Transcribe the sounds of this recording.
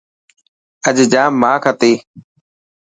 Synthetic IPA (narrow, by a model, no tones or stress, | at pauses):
əʄd͡ʒaːmaːkʰət̪eː